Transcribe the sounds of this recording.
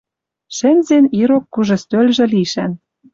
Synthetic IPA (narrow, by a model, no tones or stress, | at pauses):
ʃɘ̆nʲzeniɾokːuʒɤ̆st̪ølʲʒɘ̆liʃæn